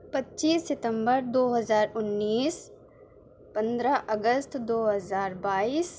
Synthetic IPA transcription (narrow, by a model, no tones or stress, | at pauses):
pɐtːt͡ʃiːsːɪt̪ə̃mbəɾd̪oːɦɐzaːɾʊnːiːs | pɐ̃nd̪ɾəʔɐɡəst̪d̪oːɦɐzaːɾbaːiːs